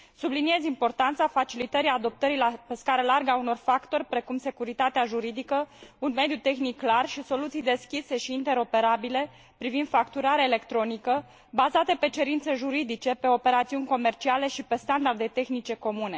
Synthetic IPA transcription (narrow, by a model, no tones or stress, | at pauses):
sublinie̞zimpo̞rt̪ant̪safat͡ʃilit̪əɾiad̪o̞p̚t̪əɾilapeskaɾəlarɡauno̞rfakt̪o̞rʲpɾe̞kumse̞kuɾit̪at̪eaʒuɾid̪ikəunme̞d̪jut̪e̞xnikːlarʃiso̞lut̪sijd̪e̞skʲise̞ʃiːnt̪e̞ɾo̞pe̞ɾabile̞ | pɾivind̪̥fakt̪uɾaɾeele̞kt̪ɾo̞nikə | bazat̪e̞pe̞t͡ʃe̞ɾint̪se̞ʒuɾid̪it͡ʃe̞pe̞o̞pe̞ɾat̪siunʲko̞me̞rt͡ʃiale̞ʃipe̞st̪and̪ard̪et̪e̞xnit͡ʃe̞ko̞mune̞